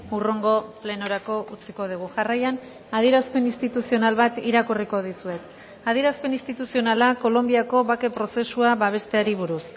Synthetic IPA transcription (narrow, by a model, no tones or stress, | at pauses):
uroŋɡo̞ple̞noɾako̞ʔut͡siko̞ð̞uɣ̞uʝarajan | aðie̞ɾaspe̞nist̪it̪usio̞nalβat̪iɾakuriko̞ðisue̞t̪ | aðie̞ɾaspe̞nist̪it̪usio̞nalako̞lo̞mbiako̞βake̞pɾo̞se̞suaβaβ̞e̞st̪e̞aɾiβ̞uɾus